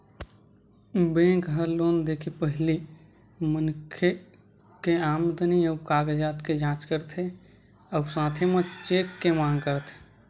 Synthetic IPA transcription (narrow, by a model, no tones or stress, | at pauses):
bẽːkɦəloːnd̪ekʰipəɦɪli | mənkʰe | keaːmd̪əniəkaːɡd͡ʒaːt̪ked͡ʒãːt͡ʃkəɾt̪ʰe | əwsãːt̪ʰemet͡ʃeːkːemãːŋɡkəɾt̪ʰe̥